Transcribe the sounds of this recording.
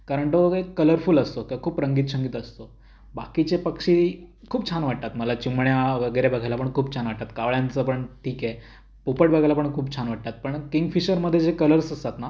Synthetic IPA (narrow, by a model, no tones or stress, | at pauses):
kaɾəɳʈəʋəɡəekːələɾfuːləst̪okkʰuːpɾəŋɡiːt̪ɕəŋɡiːt̪əst̪o | bakit͡ɕepəkʂi | kʰuːbt͡ɕʰanʋaʈ̚t̪at̪məlat͡ɕimɳjaʋəɡəjɾebəɡʱajlapəɳkʰuːb̚t͡ɕʰanʋaʈ̚t̪at̪kaʋɭjãnt͡səpəɳʈʰiːke | pupəʈbəɡʱajlapəɳkʰuːb̚t͡ɕʰanʋaʈ̚t̪at̪̚pəɳkiŋɡfiɕəɾməd̪ʱːjed͡zekələɾsəsat̪na